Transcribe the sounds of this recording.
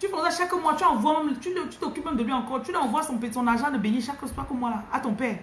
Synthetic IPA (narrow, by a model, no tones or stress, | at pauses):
t̪yfɔ̃zaʃakəmwat̪yɑ̃vwamɛmt̪ylət̪y̥t̪okyp̚mɛmd̪əlɥiɑ̃kɔʁt̪ylɑ̃vwasɔ̃pesɔ̃naʒɑ̃d̪əbeɲiʃakəstakəmwalaat̪ɔ̃pɛːʁ